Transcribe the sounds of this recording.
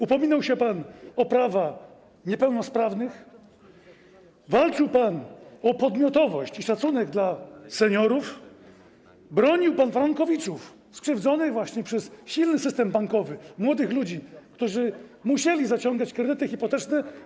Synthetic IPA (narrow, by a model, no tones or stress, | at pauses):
upɔmʲinɔwɕɛpanɔpɾavax | ɲɛpɛwnɔspɾavnɘx | valt͡ʂɘwpanɔpɔd̪mʲɔt̪ɔvɔɕt͡ɕiʂat̪sunɛɡd̪lasɛɲɔɾuf | bɾɔɲiwpanvaɾɔŋkɔvʲit̪suf | skʂɘvd̪zɔnɘɣvwaɕɲɛpʂɛsɕilnɘsɘst̪ɛmbaŋkɔvɘmwɔd̪ɘxlud͡ʑikt̪uʐɘmuɕɛlʲizat͡ɕɔŋɡat͡ɕkɾɛd̪ɘt̪ɘxʲipɔt̪ɛt͡ʂnɛ